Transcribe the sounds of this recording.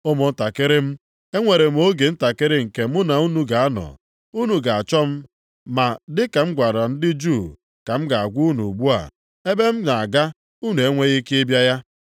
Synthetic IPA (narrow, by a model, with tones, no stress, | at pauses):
o˦mʊ˨n̩˦ta˨kɪ˦ɾɪ˦m̩˦ | e˦ŋʷe˨ɾe˨m̩˨˦o˦ɡe˨n̩˦ta˨kɪ˦ɾɪ˦ŋ̩˨ke˨mʊ˦na˨u˦nu˦ɡa˨a˦nɔ̰˨ | u˦nu˨ɡa˨a˨t͡ʃɔ˦m̩˦ | ma˨dɪ˦ka˨m̩˦ɡʷa˨ɾa˨n̩˦dɪ˦d͡ʒu˦˨ | ka˨m̩˦ɡa˨a˨ɡʷu˦nṵ˨ɡ͡bu˦a̰˨ | e˦be˦m̩˦na˨a˨ɡa˦ | u˦nu˨e˦ŋʷe˦ɣi˦kɪ˦e˦bja˦ja˦